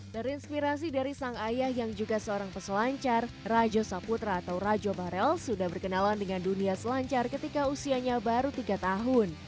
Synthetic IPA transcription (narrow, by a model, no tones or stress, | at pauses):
d̥aɾiinspiɾas̬idaɾisaŋajahjaŋd͡ʒuɡasəoɾaŋpəsəlaɲt͡ʃarːad͡ʒosaput̪ɾaːt̪awrad͡ʒobaɾɛlsudahbərkənalandəŋanduniasəlaɲt͡ʃarkət̪ikausiaɲabaɾut̪iɡat̪aɦʊn